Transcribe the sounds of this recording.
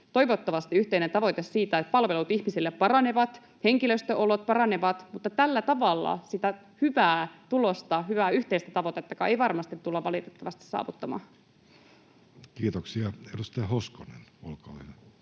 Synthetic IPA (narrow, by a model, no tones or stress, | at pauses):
t̪o̞iʋot̪ːɑʋɑst̪iyht̪e̞inent̪ɑʋo̞jt̪essiːt̪æet̪pɑlʋe̞lut̪içmisilːeppɑrɑne̞ʋɑt̪ | heŋkiløst̪øʔolot̪̚pɑɾɑne̞ʋɑt̪mut̪ːɑt̪ælːæt̪ɑʋɑlːɑ̰sit̪æ | hyʋæːt̪ulo̞st̪ɑhyʋæːyht̪eist̪æt̪ɑʋot̪et̪ːɑkɑ̰ʔejʋɑrmɑst̪it̪ːulːɑʋʋɑlit̪et̪ːɑʋɑst̪i̥sɑ̰ːʋut̪ːɑmɑ̰ː | kiːt̪oksiɑedust̪eɑhoskonḛnolkɑ̰ːɑ